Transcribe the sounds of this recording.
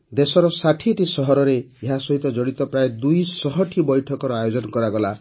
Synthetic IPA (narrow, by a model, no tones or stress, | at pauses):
d̪esɔɾɔsaʈʰieʈisɔɦɔɾɔɾeeɦasɔɦit̪ɔd͡ʒɔɽ̃it̪ɔpɾaed̪ujsɔɦɔʈʰibɔjʈʰɔkɔɾɔajod͡ʒɔnɔkɔɾaɡɔla